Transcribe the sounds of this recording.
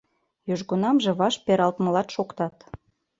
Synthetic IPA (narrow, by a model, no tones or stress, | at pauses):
jyʒɣonɑmʒĕβɑʃpeɾɑlt̪mɤ̆lɑt̪ʃokt̪ɑt̪